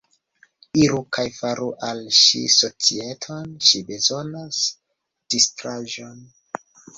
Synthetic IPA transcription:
iɾukʰajfaɾuʔalʃḭso̞t͡sie̞tʰo̞nʃibe̞zo̞nas | d̥istɾaʒo̞n

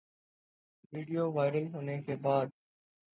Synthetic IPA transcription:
ʋiːɖijoːʋaːɪɾəlɦʊnẽːkʰeːbaːd̪

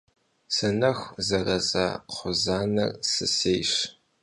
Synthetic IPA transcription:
sɨnɐxzɐrɐzɐ̰qʷʊzaːnɐ̰rsɨseːjɕ

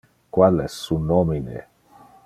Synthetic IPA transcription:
kwalɛssunɔminḛ

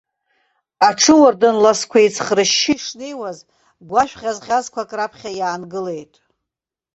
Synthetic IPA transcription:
aʈ͡ʂʰɨwardɨnlaskʷʰejt͡sʰχrɨʃːiʂnijwaz | ɡʷaʃᶣʁʲazʁʲazkʷʰakʼrapʰχʲajaːnɡɨle̞jtʼ

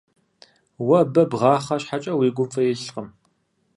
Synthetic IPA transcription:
wɐbɐbʁɑːχɐɕħat͡ʃʼɐwiːɡʷʊmfɐjɛɬqəm

